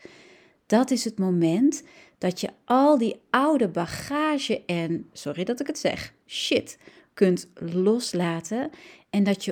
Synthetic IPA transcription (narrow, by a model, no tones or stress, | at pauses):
d̥ɔtɪsətmomɛnt | d̥ɔtjəʔɔlˠdiawdəbaxaːʒəʔɛnsɔridɔtɪkətsɛ̰x | ʃɪt | køntloslaːtəɛndɔtjə